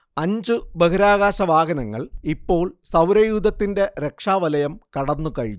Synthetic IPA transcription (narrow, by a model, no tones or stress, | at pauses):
ɐɲd͡ʑubɐkɐɾaːɣaːɕɐʋaːɡɐnɐŋːɐ̰ɭipːo̞ːɭsɐwɾɐjuːd̪ɐt̪ːinde̞ɾe̞kʂaːʋɐlɐjɐmkɐɽɐnːukɐɻḭɲː